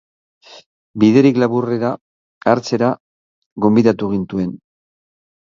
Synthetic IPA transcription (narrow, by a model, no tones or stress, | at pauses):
biðe̞ɾiklaβure̞ɾaː | ɾt͡se̞ɾa | ɣo̞mbiðat̪uɣ̞int̪ue̞n